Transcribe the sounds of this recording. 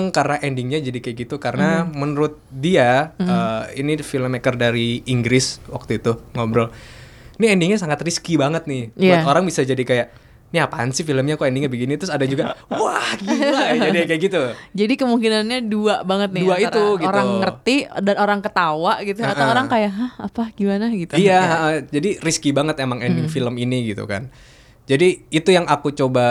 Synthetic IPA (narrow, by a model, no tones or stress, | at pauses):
ŋkaɾənaʔɛndɪŋɲad͡ʒadikajaɡit̪ukaɾənamənəɾʊt̪̚diaəːinifiləmɛkərdaɾiiŋɡɾɪswa̰k̚t̪uit̪uŋɔbɾɔl | niɛndɪŋɲasaŋat̪riskibaŋət̪̚nɪjaoɾaŋbisad͡ʒadikajaʔ | niapansifiləmɲakuɛndɪŋɲabəɡinit̪ɾʊsadad͡ʒuɡawahɡiad͡ʒadikajaʔɡit̪ud͡ʒadikəmuŋkinanɲaduaʔbaŋət̪̚nɪduait̪uɡiɾaŋːərt̪idanoɾaŋkət̪awaʔɡit̪uat̪awoɾaŋkajaʔɦahapahɡ̥imanaɡit̪uijaɦaʔəd͡ʒadiriskibaŋət̪emaŋɛndɪŋfiləminiɡit̪ṵka̰n | d͡ʒadiːt̪ujaŋakut͡ʃoba